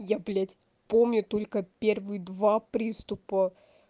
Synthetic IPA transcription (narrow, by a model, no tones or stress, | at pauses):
jablʲætʲ | pomnʲʊt̪olʲkəpʲervɨjd̪vapɾʲist̪ʊpə